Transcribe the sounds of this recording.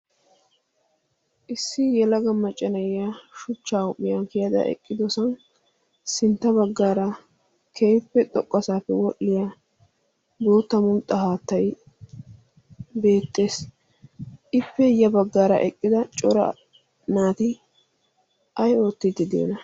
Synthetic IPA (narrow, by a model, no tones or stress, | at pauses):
ʔɪsːɪjɛlɐɡɐmːɐt͡ʃʼːɐnɐjjaːʃʊt͡ʃːaːwʊpːɪjankɪjɐd̪ɐ̰ʔɛ̰kʼːɪd̪ɔsɐn | sɪnt̪ːɐbɐɡːaːɾɐ | kʰejpːɛt̪ʼɔkʼːɐsaːpːɛwɔʔːɪja | boːt̪ːɐmʊlt̪ʼːɐhaːt̪ːɐj | be̞ːt̪ːe̞ːs | ɪpːɛjɐbɐɡːaːɾɐ̰ʔɛkʼːɪd̪ɐt͡ʃʼɔɾɐ̰ | naːt̪ɪ | ʔɐjo̞ːt̪ːɪd̪ɪd̪ḛːnɐ